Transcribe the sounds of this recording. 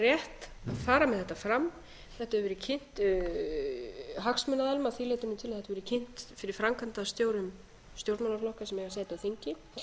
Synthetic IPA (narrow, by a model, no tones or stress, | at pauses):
rjɛht̪aðfaːɾamɛðθɛht̪ːafɾamː | θɛht̪avɛɾɪcʰɪn̥t̪ | ɦaksmʏnaðɛlmaθileːt̪ʏmnɪt̪ʰɪlaθɛt̪aɾvɛɾɪcʰɪn̥t̪fɪɾɪɾ̥fɾamkʰant̪aðst̪joːwɾʏm | st̪jowɾmanaflɔhkasɛmɛɣas̬eːt̪ɪawθiɲcɪ